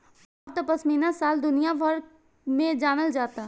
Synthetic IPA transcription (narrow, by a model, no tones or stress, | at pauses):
ɔːɾt̪ɔpəsminasaːld̪ʊnijabʱəɾ | mẽd͡ʒaːməld͡ʒaːt̪a